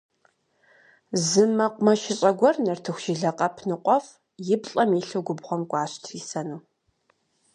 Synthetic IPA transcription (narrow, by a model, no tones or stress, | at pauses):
zɨmɐqʷʊmɐʃɪɕʼɐɡʷɔrnɐrtʰɨxʷʃɪɮɐqʼɐpʰnɨqʷɔf | jɪbɬʼɐmiːɬuɡʷʊbʁʷɔmkʷʼɑːɕtʰriːsɐnuː